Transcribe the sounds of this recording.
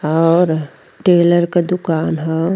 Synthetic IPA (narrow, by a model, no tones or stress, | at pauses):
ɔːɾ | ʈeːləɾkad̪ʊkaːnɦɛ